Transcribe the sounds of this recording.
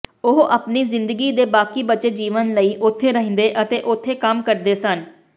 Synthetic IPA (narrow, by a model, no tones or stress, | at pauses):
ʊɦʔapniːzɪnd̪əɡiːd̪eːbaːkiːbət͡ʃeːd͡ʒiːʋənləiːʔʊt̪ʰːeːɾəɦə̃nd̪eːʔət̪eːʔʊt̪ʰːeːkəmkəɾd̪eːsən